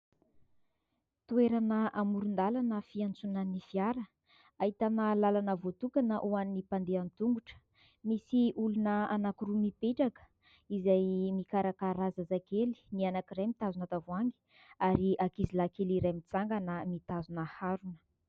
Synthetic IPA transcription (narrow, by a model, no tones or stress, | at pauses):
t̪ueɾanəamuɾund̪alanəfiant͡sunanifiaɾə | ait̪anəlalanəvot̪ukanəʔuanːipand̪eant̪uŋɡuʈ͡ʂə̥ | misiʔulunəanakuɾumipeʈ͡ʂakə̥ | izajmikaɾakaɾazazakeli̥nianakirajmit̪azunat̪avuaŋɡi̥ | aɾiʔakizilakeliɾajmit͡saŋɡanəmit̪azunahaɾunə̥